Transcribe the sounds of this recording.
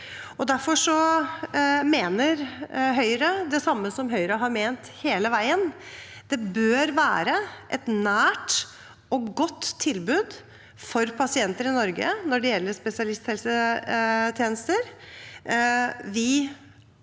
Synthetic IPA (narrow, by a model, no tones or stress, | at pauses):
ɔd̪æɾfɔʂɔ | meːnəɾɦœʏɾəd̪ɛsɑmːəsɔmɦœʏɾəɦɑɾmeːnt̪heːləʋæɪənd̪̥ɛbøːɾʋæːɾəʔɛt̪næːʈ | ɔɡɔt̪ʰːɪlbʉːd̪ | fɔɾpʰɑsɪɛnt̪əɾɪnɔɾɡə̰nɔɖɛjɛlːəʂpɛsɪɑlɪst̪hɛlsə | t̪ʰjeːnəst̪əɾ | ʋɪ